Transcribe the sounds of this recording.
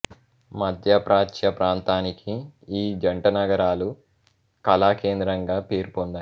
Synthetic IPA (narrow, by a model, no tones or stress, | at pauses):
mɐd̪ʱjɐpɾʔaːt͡ʃjɐpɾaːnt̪aːnikʰiiːd͡ʒɐɳʈɐnɐɡɐɾaːlu | kɐlaːke̞ːnd̪ɾɐŋɡaːpe̞ːɾpond̪a